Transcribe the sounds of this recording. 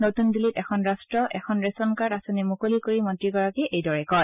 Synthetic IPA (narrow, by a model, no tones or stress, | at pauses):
notundilitɛkʰɔnɹastɹɔʔɛ̰kʰɔnɹesɔnkaɹasɔnɛmukolikoɹimɔntɹiɡɔɹakɛʔejdɔɹɛkɔj